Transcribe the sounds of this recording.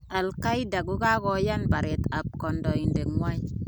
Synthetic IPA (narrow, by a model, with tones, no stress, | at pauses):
a˨lka˦jda˨ɡu˦ka˦kɔ˨ja˦nba˨ɾe˨ta˨p̚kɔ˨ndɔ˨i˨nde˨ŋwa˦j